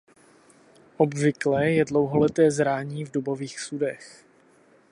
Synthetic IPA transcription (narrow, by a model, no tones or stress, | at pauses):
ʔobvɪklɛːjɛdlowɦolɛt̪ɛːzɾaːɲiːvdubo̞viːxsudɛx